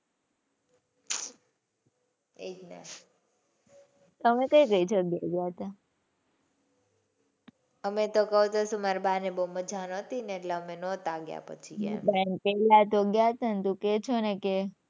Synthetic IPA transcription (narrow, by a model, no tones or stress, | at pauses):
ḛd͡ʒna̰ | t̪əmekəjkəit͡ʃʰoɡja̰ɡjaət̪a | əmet̪okəɦut̪osumaɾbʱaneboməd͡ʒʱanɔt̪ineːʈlaəmenɔt̪aɡja̰pə̰t͡ʃʰḭbɛŋpellat̪oɡjaət̪ant̪ũket͡ʃʰoneke